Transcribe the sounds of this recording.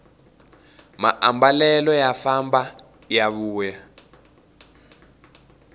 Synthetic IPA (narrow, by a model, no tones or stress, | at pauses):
ma̰ʔambalɛlɔjafamba | jaβuːja